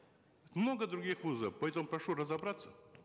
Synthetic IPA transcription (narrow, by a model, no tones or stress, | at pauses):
t̪mnoɡəd̪ɾʊɡʲixvuzəfpɐɛt̪əmʊpɾɐʂuɾəzɐbɾat̪sːə